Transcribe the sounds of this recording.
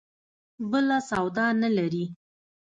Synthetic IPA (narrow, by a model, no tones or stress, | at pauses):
bəlasawd̪ɑnalaɾi